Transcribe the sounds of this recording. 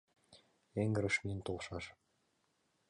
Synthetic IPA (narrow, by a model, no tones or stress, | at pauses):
eŋɡə̆ɾə̆ʃmint̪olˠʃɑʃ